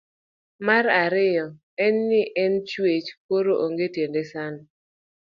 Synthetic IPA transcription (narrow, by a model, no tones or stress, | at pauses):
maɾaɾɪjɔ | ɛnːɪʔɛnt͡ʃwet͡ʃkoɾoʔoŋɡetendesan